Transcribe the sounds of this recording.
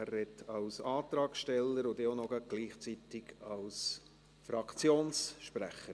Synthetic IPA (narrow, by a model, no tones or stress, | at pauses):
ærːɛtʰːɑwsɑːt̪ɾɑːkʃtɛlːəɾʊdɪonɔɡəɡ̥liːχt͡sit̪ɪɡɑws | fɾɑkt͡sjoːnsʃpɾæ̰χəɾ